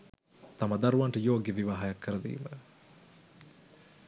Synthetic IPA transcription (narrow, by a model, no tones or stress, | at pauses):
t̪amɐd̪aɾuʋaɳʈəjoːɡeʋiʋaːɦajakːəɾəd̪ḭːmə